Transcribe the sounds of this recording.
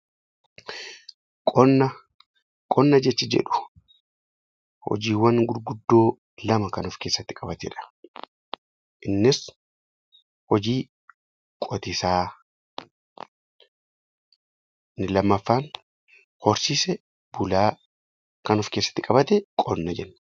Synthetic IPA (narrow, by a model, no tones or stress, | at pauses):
kʼɔnːɐ | kʼɔnːɐd͡ʒɛt͡ʃːɪd͡ʒɛ̰ᶑʊ̥ | hɔ̰d͡ʒiːwːɐŋɡʊɾɡʊd̪ːo̞ː | lɐmɐkɐnɔfke̞ːsːɐt̪ːɪkʼɐbɐt̪ɛ̰ᶑɐ̥ | ʔɪnːɪs | hɔd͡ʒiː | kʼɔt̪ɪsaː | nɪlɐmːɐfːaːn | hɔɾsiːsɛ | b̥ʊlaː | kɐnɔfkeːsːɐ̥t̪ːɪkʼɐbɐt̪ɛkʼɔnːɐd͡ʒɛnː